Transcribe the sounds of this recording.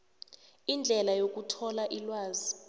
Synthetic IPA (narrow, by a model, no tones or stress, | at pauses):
ind͡ɮʱɛlajok̬ʼutʰɔlaʔilwaːzi